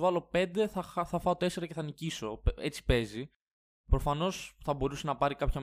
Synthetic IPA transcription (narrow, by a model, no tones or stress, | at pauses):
vɐlo̞pe̞nd̪e̞θɐxθɐfɐot̪e̞se̞ɾɐceθɐniciso̞pe̞t͡si̥pe̞zi | pɾo̞fɐno̞sθɐbo̞ɾuse̞nɐpɐɾikɐpçɐ